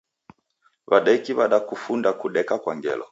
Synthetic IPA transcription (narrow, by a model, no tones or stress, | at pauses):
βaɗaikiβaɗakufundakuɗɛkakwaŋɡɛ̰lɔ̰